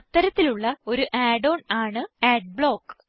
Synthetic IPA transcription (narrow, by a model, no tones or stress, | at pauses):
t̪ːɐɾɐt̪ːiluɭːɐo̞ɾuʔaːɖo̞ːnaːɳɨeːɖ̚bɭo̞ːkː